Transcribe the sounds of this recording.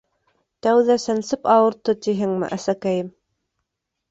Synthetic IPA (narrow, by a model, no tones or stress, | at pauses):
t̪æwðæsæ̆nsɘpɑwɤ̆ɾt̪ɤt̪iɦɘŋmɘ̰ʔæsækæjɘm